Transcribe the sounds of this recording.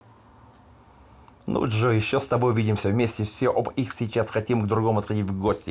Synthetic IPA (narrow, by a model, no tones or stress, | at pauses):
nṵʐojɪɕːost̪ɐbo̞jvʲidʲɪmsʲəvmʲesʲtʲɪfsʲoʔobixsʲɪt͡ɕasxɐtʲimɡd̪ɾʊɡo̞mʊɐt̪xɐdʲitʲvɡosʲtʲɪ